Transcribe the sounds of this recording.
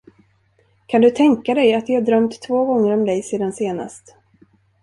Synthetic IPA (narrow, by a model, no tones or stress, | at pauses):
kʰand̪ɵt̪ʰɛŋkad̪ɛjat̪jɪhadɾœmt̪ʰːvoːɡɔŋːəɾɔmd̪ɛjseːd̪anseːna̰st̪